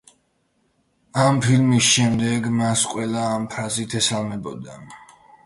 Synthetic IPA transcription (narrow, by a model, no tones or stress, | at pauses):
ampʰilmisʃɛmd̪ɛɡmasqʼwɛlˠaːmpʰɾazit̪ʰɛsalˠmɛbɔd̪a